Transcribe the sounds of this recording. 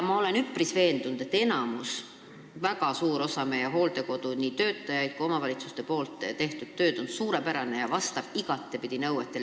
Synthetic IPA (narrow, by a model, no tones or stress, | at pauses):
mɑo̞le̞nypːˑrisve̞ːnd̪̥unud̪et̪ːe̞nɑmus | væɡ̥ɑsuːɾo̞sɑme̞jeɦo̞ːld̪e̞ko̞d̪uniːt̪ø̞ːt̪ˑːɑjɑjd̪̚kujo̞mɑvɑlʲit̪su̥st̪e̞po̞ːlt̪ːˑt̪e̞ht̪ud̪̥t̪ːø̞ːd̪̥o̞nsuːɾe̞pæɾɑne̞jɑvɑst̪ɑb̥iɡ̥ɑt̪ˑːepid̪̥inɤwet̪ːˑe